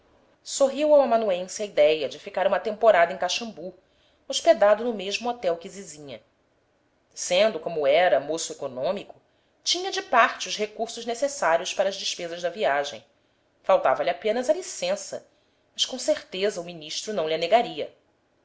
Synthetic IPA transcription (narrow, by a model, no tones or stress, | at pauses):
soɦiwaw̃amanuẽsɪɐid̪ɛjɐd͡ʒɪfikaɾũmɐt̪ẽmpoɾad̪ɐẽkaʃɐ̃mbu | oʃped̪ad̪ʊnʊmeʒmʊot̪ɛwkɪzizĩɲɐ | sẽnd̪ʊkõmʊɛɾɐmosʊekonõmikʊ | t͡ʃĩɲɐd͡ʒɪpaɾt͡ʃɪʊʃɦekuɾsʊʒnesesaɾiʊʃpaɾɐʒd͡ʒɪʃpezɐʒd̪ɐviaʒḛ̃j̃ | fawt̪avɐlʲiapẽnɐzɐlisẽsɐ̰ | mɐʃkõseɾt̪ezɐʊminiʃt̪ɾʊnɐ̃w̃lʲɪaneɡaɾiɐ